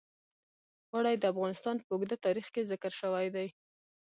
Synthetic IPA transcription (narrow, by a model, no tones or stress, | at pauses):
ɣwaɽajd̪əafɣɑnɪst̪ɑnpəʊɡd̪at̪ɑɾixkezɪkəɾʃəwajd̪aj